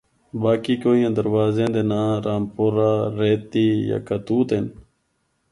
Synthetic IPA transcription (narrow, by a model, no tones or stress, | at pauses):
baːkiːkoːijãːd̪əɾʋaːzẽːd̪eːnãːɾaːmpoːɾaːɾeːt̪iːja̰ːkət̪uːt̪en